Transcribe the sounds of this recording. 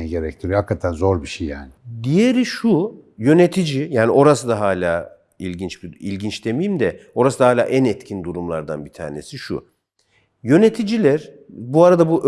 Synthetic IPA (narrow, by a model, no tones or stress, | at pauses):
ɟeɾɛc̚t̪ʰiɾjhakːat̪ʰænzoɾbiʃejjaːnɪd̪ijeɾiʃujø̞ne̞t̪ʰid͡ʒijaːniʔo̞ɾasɯd̪aɦaːlʲaː | ilʲɟint͡ʃbiḭlʲɟint͡ʃd̪e̞mijimd̪ɛo̞ɾasɯd̪ahaːlʲa̰ːʔænɛt̪cʰind̪uɾumlˠaɾd̪a̰nbit̪ʰa̰ːne̞̰siʃṵ | jø̞net̪ʰid͡ʒilʲæɾ | buaɾad̪abuʔ